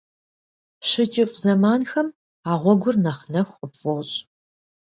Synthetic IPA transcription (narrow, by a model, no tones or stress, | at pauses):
ɕɪd͡ʒʼɪfʼzɐmaːnxɐm | aːʁʷɔɡʷʊrnɐχnɐxʷʼəpfɔɕʼ